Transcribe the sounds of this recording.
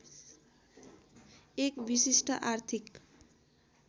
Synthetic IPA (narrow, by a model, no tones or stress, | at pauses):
ekbisisʈʌʔart̪ʰik